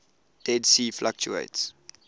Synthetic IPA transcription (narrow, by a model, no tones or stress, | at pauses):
d̥ɛdsiːflak̚t͡ʃṵḛɪts